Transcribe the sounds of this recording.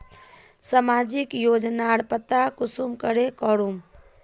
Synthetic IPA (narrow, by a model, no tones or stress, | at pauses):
səmad͡ʒikjod͡ʒnaɽpət̪akusumkəɾekɔɾum